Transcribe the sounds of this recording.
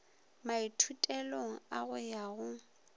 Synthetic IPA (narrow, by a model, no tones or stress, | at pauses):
maitʰutʼɛloŋ̩aɣʊjaɣʊ